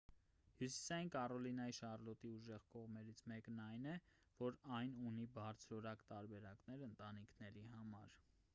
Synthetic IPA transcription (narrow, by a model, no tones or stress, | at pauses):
hjusi̥sɑjinkɑɾɔlinɑjiʃɑrlɔt̪iuʒɛʁkɔʁmɛɾit͡sʰmɛknɑjnɛ | vɔɾɑjnunibɑɾt͡sʰɾɔɾɑkt̪ɑɾbɛɾɑknɛɾənt̪ɑnikʰnɛɾihɑmɑɾ